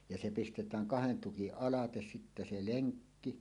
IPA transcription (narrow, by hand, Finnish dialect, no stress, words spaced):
jɑ se pistetæːŋ kɑhen tukiʔ ʔɑlɑtes sitːæ se leŋkːi